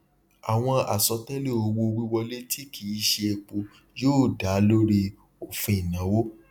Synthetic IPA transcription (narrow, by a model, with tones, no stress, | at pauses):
a˨w̃ɔ̃˧a̰˨sɔ˨˧tɛ˦le˦˨o˧wo˧wi˦wɔ˧le˦tʰi˦kʰi˨˦˧ʃe˧e˧k͡po˧ | joː˦˨da˨˦lo˦ɾi˧ | o˨fũ˧i˨nã˨˦wo˦